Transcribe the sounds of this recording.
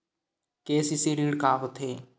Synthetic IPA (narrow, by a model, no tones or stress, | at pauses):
keːsisiɾiːɽkaːɦot̪ʰeː